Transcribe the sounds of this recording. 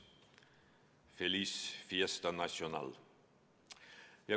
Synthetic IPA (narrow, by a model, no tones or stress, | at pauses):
fɛlyːsfiɛst̪ənɑʃʊnɑ̰ːl | jæ